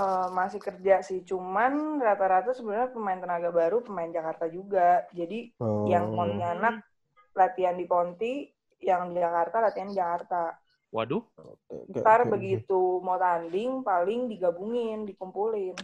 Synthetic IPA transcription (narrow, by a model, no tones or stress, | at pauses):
əmasɪhkərd͡ʒasɪht͡ʃumanrat̪aɾat̪asəbənaɲapəmaɪnt̪ənaɡabaɾupəmaɪnd͡ʒakart̪ad͡ʒuɡad͡ʒadijaŋpɔnt̪ianak̚ | lat̪iandipɔnt̪i | jaŋdid͡ʒakart̪alat̪ianid͡ʒakart̪a | wadubəarbəɡit̪umot̪andɪŋpalɪŋdiɡabuŋɪndikumpulɪn